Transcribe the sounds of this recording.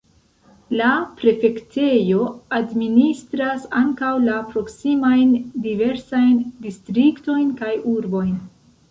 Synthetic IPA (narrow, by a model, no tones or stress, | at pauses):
lapɾe̞fe̞kte̞jo̞administɾasaŋkawlapɾo̞ksimajndive̞ɾsajndistɾikto̞jnkajuɾbo̞jn